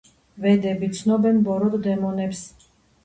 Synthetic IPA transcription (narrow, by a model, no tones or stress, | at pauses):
vɛd̪ɛbit̪sʰnɔbɛnbɔɾɔd̪d̪ɛmɔnɛps